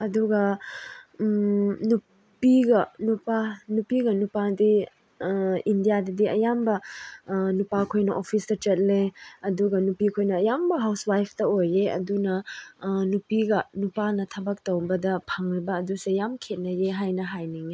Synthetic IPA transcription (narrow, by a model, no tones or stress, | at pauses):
ɐduɡɐ | nu | ppiɡɐnupanupiɡɐnupadi | indijadɐdiɐjambɐ | nupakʰojnɐʔopʰistɐt͡ʃɐt̚leɐduɡɐnupikʰojnɐːjambɐɦawswajpʰtɐojeɐ̰dunɐ | nupiɡɐnupanɐtʰɐbɐk̚towbɐdɐpʰɐŋɾibɐːdusejamkʰet̚nɐjeɦajnɐɦajniŋe